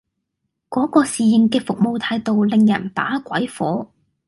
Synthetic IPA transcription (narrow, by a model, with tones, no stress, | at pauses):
kɔː˨˥kɔː˧siː˨jɪ˨ŋkɛː˧fʊ˨k̚mo˨˧wt̪ʰaː˧jt̪o˨wlɪ˨ŋjɐ̰˨˩nt̪a̰ː˨˥kʷɐ˨˥jfɔ̰ː˨˥